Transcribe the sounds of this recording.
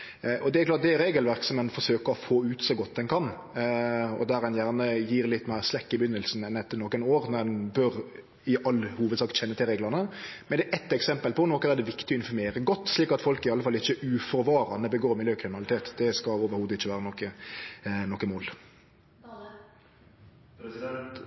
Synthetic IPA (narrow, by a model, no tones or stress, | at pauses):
ʔɔd̪ɛɪklɑːt̚d̪ɛæɾeːɡəlʋæʁksɔmɛnfɔʁʂøːkəɾɔfoːʉːt̪sɔɡɔt̪̚d̪ɛnkʰɑn | ɔ̰d̪æɾɛnjæːʁnəjiːɾlɪt̪ːmæɪʁslɛkːɪbʏnːəlsn̩ɛnɛt̪ːənɔkənoːɾnɔd̪ɛnbœɾ | ɪʔɑlːhuːʋəd̪sɑːkt̪ɕɛnːət̪ʰɪlɾeːɡlɑnəmɛnd̪ɛːʔɛt̪ːɛksɛmpəlpɔnɔkːənæːʁd̪ɛʋɪkt̪ɪɔɪnfɔɾmeːɾəɡɔt̪ːsliːkɑt̪fɔlkɪɑlːəfɑlːɪçːəʉːfɔɾʋɑːɾɑnəbəɡoːɾmɪljøːkʰɾɪmɪnɑlɪt̪ʰeːt̪d̪ɛskɑoːʋəɾhuːd̪əɪçːəʋæːɾənɔkːə | nɔkːəmoːl